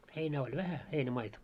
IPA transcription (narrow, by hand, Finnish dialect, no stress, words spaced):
heinæː olʲ ʋæhæ heinæmɑitɑ